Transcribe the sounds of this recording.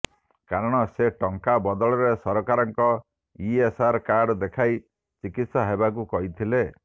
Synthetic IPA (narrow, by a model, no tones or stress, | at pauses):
kaɾɔɽ̃ɔseʈɔŋkabɔd̪ɔɭɔɾesɔɾɔkaɾɔŋkɔ | iesaɾkaɖd̪ekʰaj | t͡ʃikit̪sɔɦebak̬ukɔɦit̪ʰile